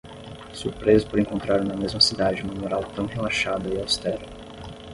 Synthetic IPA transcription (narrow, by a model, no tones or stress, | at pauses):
suɾpɾezʊpoɾẽŋkõnt̪ɾaɾ̃nɐmezmɐsid̪ad͡ʒɪũmɐmoɾawt̪ɐ̃w̃ɦelaʃad̪ɐɪawst̪ɛɾɐ